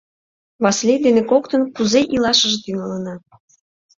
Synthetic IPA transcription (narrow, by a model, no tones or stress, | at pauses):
βɑslʲed̪enekokt̪ənkuzeʔilɑʃəʒt̪yŋələnɑ